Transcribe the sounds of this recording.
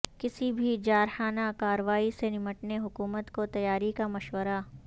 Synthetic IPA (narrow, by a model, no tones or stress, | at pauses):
kɪsibʱid͡ʒaːɾxaːnakaːɾəʋaːisenɪməʈneɦʊkuːmət̪kot̪ɐjaːɾikamɐʃwəɾa